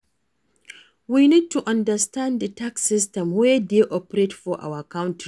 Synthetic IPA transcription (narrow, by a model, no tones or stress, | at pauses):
winid̚tuʔãndɐstãnddətaksɪstɛ̃mwɛdeʔɔpɾetfɔʔa̰wɐkaw̃nt